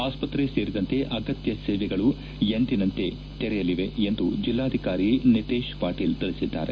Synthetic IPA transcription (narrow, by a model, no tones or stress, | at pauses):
aːspɐt̪ɾeseːɾid̪ɐnt̪e̞ʔɐɡɐt̪jɐseːʋɛɡɐɭu | jend̪inɐnt̪e̞ | t̪ɛɾɛjɐliʋe̞end̪ud͡ʒilːaːd̪ʱikaːɾinit̪eːʃpaːʈiːlt̪iɭisid̪ːa̰ːɾe̞